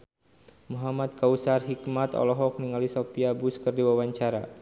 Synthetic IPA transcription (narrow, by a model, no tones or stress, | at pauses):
muɦamat̪̚kausarɦikmat̪ɔ̰lɔɦɔk̚niŋalisopiabuskərdiwawaɲt͡ʃaɾa